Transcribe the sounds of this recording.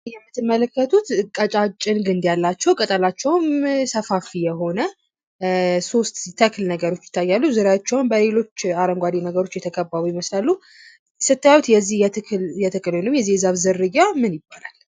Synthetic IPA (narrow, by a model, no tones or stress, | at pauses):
jɛmːɨt̪ːɨmːələkːət̪ʰut̪kʼət͡ʃʼat͡ʃʼːɪnɡɨnd̪jalːat͡ʃːɛwkʼət̪ʼəlat͡ʃːɛwmsəfafijɛɦo̞nə | so̞st̪t̪ʰːəklnəɡəɾo̞t͡ʃːjɪ̥t̪ʰːajːalːuzɨɾat͡ʃːɛwnbəle̞lo̞t͡ʃːaɾəŋɡʷad̪inəɡəɾo̞t͡ʃːjɛt̪ʰəkʰəbːaβujɪməslalːu | sɨt̪ːajajwut̪jɛzːijɛt̪ʰɨkʼɨlnəwmjɛzːihzaβzɨɾːɨjamɨnjɪbːalal